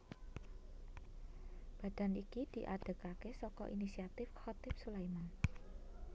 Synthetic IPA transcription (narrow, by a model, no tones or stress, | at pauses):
b̥ä̤d̪̥a̤nikid̪̥i̤ʔaɖ̪̥ə̤kakesɔkɔ̰ʔinisiat̪ɪfhɔt̪ɪfsulajman